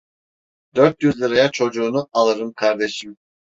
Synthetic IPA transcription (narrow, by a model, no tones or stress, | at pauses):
d̪øɾt̪̚jyzlʲˠɯɾajat͡ʃʰo̞d͡ʒuːnualˠɯɾɯmkʰaɾd̪e̞ʃim